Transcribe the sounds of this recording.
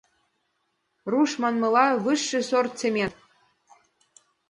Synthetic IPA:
ruʃmɑnmɤ̆lɑβɨʃːɘ̆sort̪t͡semʲen

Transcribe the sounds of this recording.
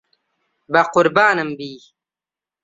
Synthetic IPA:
bɐqʊɾbaːnɐmbiː

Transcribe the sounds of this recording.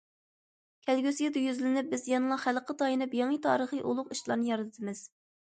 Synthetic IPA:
kʲʰælɡʲysijid̪ɨjyzlɪnɪp̚bɪzjɑnɨlˠɑχælqʰət̪ɑjinɨpjɑŋit̪ʰɑːɾəχɨʔulˠʊqiʃlˠɑɾnɨjɑɾɨt̪ʰɨt̪ʰɨmɪz̥

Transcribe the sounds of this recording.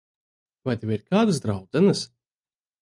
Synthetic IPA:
vajt̪evʲiɾkaːd̪ɨsd̪ɾawd̪zɛnɨs

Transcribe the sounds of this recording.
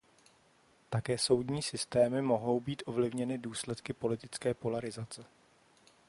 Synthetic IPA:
t̪akɛːso̞wdɲiːsɪst̪ɛːmɪmo̞ɦo̞wbiːt̪ʔo̞vlɪvɲɛnɪduːslɛt̪kɪpo̞lɪt̪ɪt͡skɛːpo̞laɾɪzat͡sɛ

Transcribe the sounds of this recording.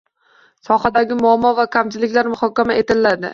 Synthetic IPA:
sɒhad̪aɡʲɪmʊamːɒvakʲʰamt͡ʃ̪ʰɪlɪkʲlaɾmʊhɒkʲamae̞t̪ʰɪlːad̪ɪ̰

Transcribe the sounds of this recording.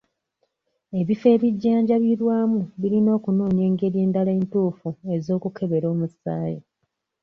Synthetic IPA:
e̞βife̞ːβiɟːaːɲɟaβiɾwaːmuβiɾino̞ːkunoːɲe̞ːŋɡe̞ɾje̞ːndalae̞ːntuːfue̞zo̞ːkukʰe̞βe̞ɾo̞ːmusaːjḛ

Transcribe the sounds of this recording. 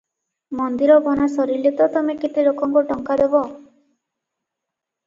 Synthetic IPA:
mɔnd̪iɾɔbɔnasɔɾilet̪ɔt̪ɔmekit̪iɾokɔŋkɔʈɔŋkad̪ebɔ

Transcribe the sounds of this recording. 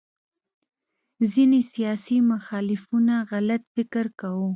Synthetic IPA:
zinesijɑsimʊxɑlɪfunaɣalat̪fɪkɪɾkawu

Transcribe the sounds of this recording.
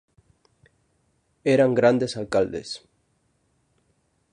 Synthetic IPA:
eɾaŋɡɾand̪esalkald̪ḛs

